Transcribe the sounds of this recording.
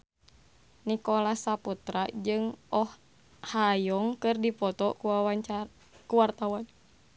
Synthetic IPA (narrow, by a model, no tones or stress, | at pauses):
nikɔlasaput̪ɾad͡ʒɨŋɔh | hajɔŋkɨrdipɔt̪ɔkuawaa | kuwart̪awan